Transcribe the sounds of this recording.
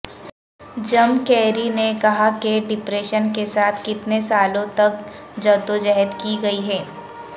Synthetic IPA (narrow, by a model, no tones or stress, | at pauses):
d͡ʒɐmkɛːɾinekɐɦakeɖɪpɾeːʃənkesaːt̪ʰkɪt̪nesaːlõt̪ɐk̚ | d͡ʒɐd̪od͡ʒɛɦəd̪kiɡɐiɦɛː